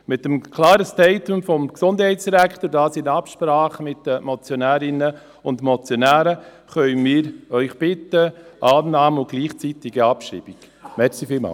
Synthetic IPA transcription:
mɪtəmkʰlɑːɾəstɛɪtʊmfɔmksʊnd̥hɛɪtt͡ssd̥iɾækχtoɾdaːsɪnɑpʃpɾɑːχəmɪtːəmɔt͡sjonæːɾɪnə | ʊntmɔt͡sjonæːɾə | χœʏmiːɾœʏχb̥ɪtːəʔɑːnnɑːmʊɡ̥liːχt͡sitɪɡiɑpʃḭːb̥ik | mɛɾsifɪːlmɑ̰ː

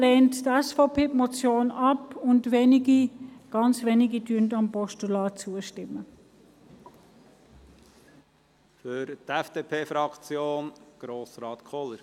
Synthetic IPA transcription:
leːnttɛsfɔpeːpmɔt͡sjoːnɑpʊntvenɪɡiɡ̥ɑnt͡sveːnɪɡidyəntɑmpɔʃtulɑːt͡suːəʃtɪmːə | fʏɾt̪ɛfd̥̪eːpʰeːfɾɑkt͡sjoːnɡ̥ɾoːsɾɑːt̪kʰɔləɾ

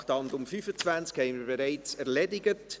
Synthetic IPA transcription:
χtɑnd̪ʊmfyfət͡svænt͡skhɛɪnmiɾbeɾaɪt͡sɛɾlɛdɪɡət

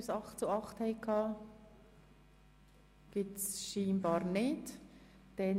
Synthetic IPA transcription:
sɑχtt͡suɑχthɛɪkʰɑː | ɡ̥ip̚tsʃiːmb̥ɑːɾnɪt | d̥ɛn

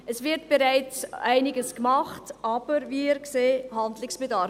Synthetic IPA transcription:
əsvɪɾtb̥eɾaɪt͡sæɪnɪɡəskmɑχtʔɑːb̥əɾviɪɾkseːhandlɪksb̥ɛdɑɾ

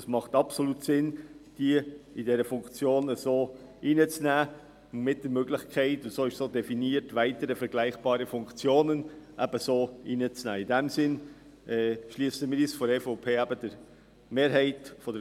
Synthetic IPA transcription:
əsmɑχtɑpsoluːtsɪnd̥iəidɛɾəfʊŋkt͡sjoːnəsoːʔiːnət͡snæː | mɪt̚d̥əɾmøɡlɪçkʰæɪtʊntsoːɪʃsoːd̥ɛfiniəɾtvʋæɪtəɾəfɛɾɡlæɪχb̥ɑːɾəfʊŋkt͡sjoːnənʔæb̥əsoːiːnət͡snæ̰ːɪdɛmsɪn | ɛʃliːsəmiːɾiːsfɔɾɛfoʊpʰeːæbəd̥əɾ | meːɾɦɛɪtfɔdə

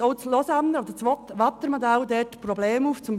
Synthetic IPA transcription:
oslɔsanəod̪ət͡sʋɔt̪ʋɑt̪ːəɾmɔd̪æld̪ɛtprɔbleːmuːft͡sʊmb

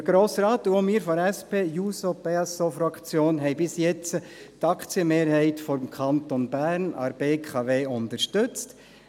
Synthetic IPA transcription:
əɡ̥ɾoːsɾaːt̪uomiːɾfɔɾɛspʰeːjuːsopeɑsofɾɑkt͡sjoːnɦɛɪbɪsjɛt͡sətɑkʰt͡siəmeːɾhɛɪtfɔɾmkʰɑntonbæɾnɑ̰ɾb̥eːkʰɑveːʊntəɾʃtʏt͡st

